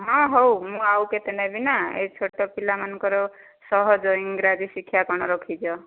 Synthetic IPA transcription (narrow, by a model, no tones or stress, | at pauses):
ɦɔ̃ɦowmũawket̪enabinaḛt͡sʰoʈɔpilamankɔɾo | sʌɦɔd͡zoiŋɡɾad͡zisikʰːjakɔñʌɾɔkʰid͡ʒɔ